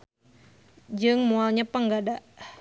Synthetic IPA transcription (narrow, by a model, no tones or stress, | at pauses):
d͡ʒɨŋmualɲapəŋɡadaʔ